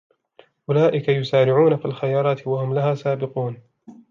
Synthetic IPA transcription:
ʔʊlaːʔɪkajʊsaːɾɪʕuːnafilxajɑːɾˤɑːt̪wahʊmlahaːsaːbɪquːn

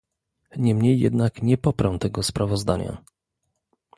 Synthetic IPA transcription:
ɲɛmɲejːɛ̰d̪nakɲɛpɔpɾamt̪ɛɡɔspɾʔavɔzd̪aɲa̰

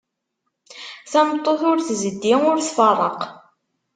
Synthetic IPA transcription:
θæmt̪ˤːoθʊɾθzəd̪ːiʊɾθfərˤəq

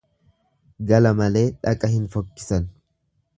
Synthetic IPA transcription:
ɡɐlɐmɐle̞ːᶑɐkʼɐhɪnfɔkːɪ̥sɐn

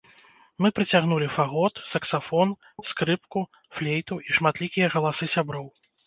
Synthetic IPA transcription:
mɨpɾɨt͡sʲaɣn̪ulʲifaɣɔt̪sɐksafɔn | skɾɨpku | flʲejt̪uʔiʂmat̪lʲikʲijɐɣɐlˠasɨsʲabɾɔw

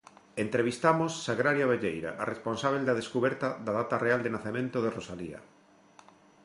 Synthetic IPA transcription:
ent̪ɾeβ̞ist̪amosːaɣɾaɾjaβeʎejɾa̰ʔaresponsaβ̞eld̪aðeskuβɛɾt̪aðaðat̪areald̪enaθemẽnt̪oðerosalia̰

